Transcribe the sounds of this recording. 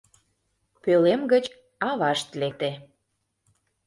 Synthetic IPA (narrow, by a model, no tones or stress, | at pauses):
pølemɡət͡ɕ | ɑβɑʃt̪lek̚t̪e